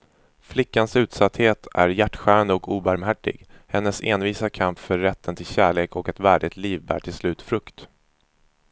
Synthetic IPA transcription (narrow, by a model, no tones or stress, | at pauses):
flɪkːansʉ̟ːt̪sat̪heːt̪ʰæ̰ɾjæʈːɧæːɾand̪əɔkuːbaɾmɦæʈːɪ̰ɡhɛnːəseːnviːsakʰampfœɾːɛt̪ʰːənt̪ʰɪlɕæːɭeːkʰɔkɛt̪væːɖɪt̪liːvbæ̰ːʈʰɪlslʉ̟ːt̪fɾɵkt̪